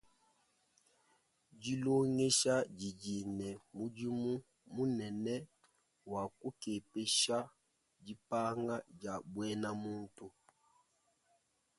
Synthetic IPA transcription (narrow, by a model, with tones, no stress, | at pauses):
d͡ʒi˦lo˦ŋe˦ʃa˦d͡ʒi˨d͡ʒi˨nɛ˨mu˦d͡ʒi˦mu˦ | mu˦nɛ˨nɛ˦ | wa˨ku˦ke˨pe˦ʃa˦ | d͡ʒi˦pa˦ŋa˦d͡ʒa˨bwɛ˦na˦mu˦n˦tu˦